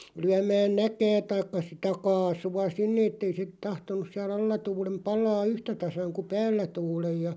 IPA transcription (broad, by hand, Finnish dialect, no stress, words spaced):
lyæmæːn nækæː tɑikːɑ sitæ kɑːsuɑ sinːe etːei se tɑhtonus siæl ɑlːɑ tuːlem pɑlɑː yhtæ tɑsɑŋ ku pæːlːæ tuːlej jɑ